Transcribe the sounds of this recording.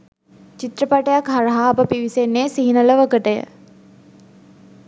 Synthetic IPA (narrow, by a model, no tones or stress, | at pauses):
t͡ʃit̪ɾəpaʈəjakɦaɾəɦaːpəpiʋisenːeːsiɦinələʋəkəʈəjə̰